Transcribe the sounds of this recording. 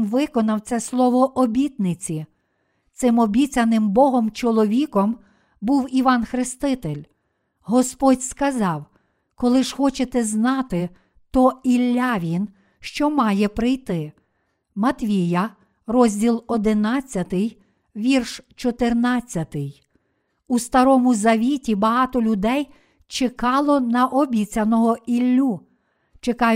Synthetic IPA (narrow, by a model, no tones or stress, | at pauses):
nʋɪkɔnɐwt̪sɛslˠɔʋɔʔɔbʲit̪nɪt͡sʲi | t̪sɪmɔbʲit͡sʲɐnɪmbɔɦɔmt͡ʃɔlˠɔʋʲikɔm | buwiʋɑnxɾɪst̪ɪt̪elʲ | ɦɔspɔdʲskɐzɑw | kɔlˠɪʒxɔt͡ʃet̪ɛznɑt̪ɪ | t̪ɔilʲːɑʋʲin | ʃt͡ʃɔmɑjɛpɾɪjt̪ɪ | mɐt̪ʋʲijɐ | rɔzʲdʲilˠɔd̪ɪnɑt͡sʲːɐt̪ɪj | ʋʲirʃt͡ʃɔt̪ɪrnɑt͡sʲːɐt̪ɪj | ust̪ɐɾɔmʊzɐʋʲitʲibɐɦɑt̪ɔlʲʊd̪ɛj | t͡ʃekɑlˠɔnɐʔɔbʲit͡sʲɐnɔɦɔilʲːu | t͡ʃekɑ